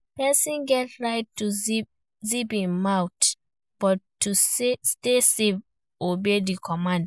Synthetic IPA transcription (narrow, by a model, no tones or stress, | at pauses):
pɛsĩnɡɛtɹaɪtːuz | zipĩnmãwt | b̥ɔtʰːusstesev | ʔobedikʰɔmãnd